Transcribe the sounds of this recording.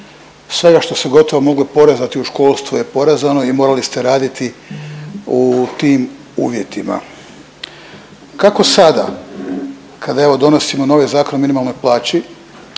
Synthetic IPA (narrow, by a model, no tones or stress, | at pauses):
sʋe̞ɡaʃt̪o̞se̞ɡo̞t̪o̞ʋomo̞ɡlepo̞ɾezat̪iuʃko̞ːlˠst̪vʋuje̞po̞ɾezano̞imo̞ːɾalist̪e̞ɾaːd̪it̪i | ut̪iːm | ṵːʋje̞t̪ima̰ | kako̞sad̪a̰ | kad̪ae̞ʋo̞d̪o̞no̞simo̞no̞ʋezaːko̞nminimalno̞jplˠaːt͡ɕi